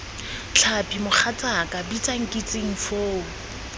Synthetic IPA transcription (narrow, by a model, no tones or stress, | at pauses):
t͡ɬʰapʰʼimʊχʰat͡sʼakʼabit͡sʼaŋ̩kʼit͡sʼɪŋ̩foːʊ